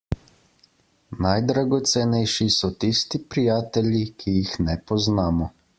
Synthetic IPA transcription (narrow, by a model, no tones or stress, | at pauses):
najd̪ɾaɡɔt̪sɛnɛjʃisɔt̪ist̪ipɾijaːt̪ɛlikʰijixnɛpɔznaːmɔ